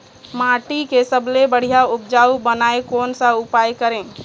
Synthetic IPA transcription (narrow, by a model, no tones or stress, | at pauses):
mãːʈikesəblebəɽ̤ijaʊp̚d͡ʒaːubənaːekɔːnsaʊpaːjkəɾẽː